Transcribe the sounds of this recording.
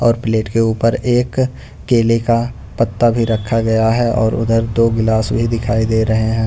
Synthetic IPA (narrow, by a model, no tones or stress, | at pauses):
ɔːɾpɪleːʈkeuːpəɾeːkː | eːleka | pɐt̪ːabʱiɾɐkʰːaɡɐjaɦɛʔɔ̰ːɾʊ̰d̪əɾd̪oːɡɪlaːsbʱid̪ɪkʰaːid̪eːɾɐɦeɦɛ̃ː